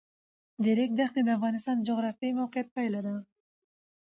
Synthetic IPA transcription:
d̪eɾek̚d̪axned̪əafɣɑnɪst̪ɑnd͡ʒoɣɾɑfijmawqɪjat̪̚pajlad̪ə

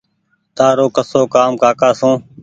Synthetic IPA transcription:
t̪aːɾoːkəsoːkaːmkaːkaːsũː

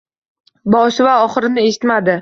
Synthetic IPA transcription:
bɒʃvaɒχɨɾɪnɪe̞ʃɪt̪mad̪ɪ

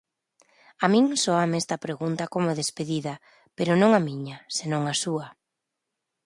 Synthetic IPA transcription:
amĩŋsɔamɛst̪ɐpɾeɣunt̪ɐkomʊðespeðiðɐ | peɾʊnõŋamiɲasenõŋasuɐ

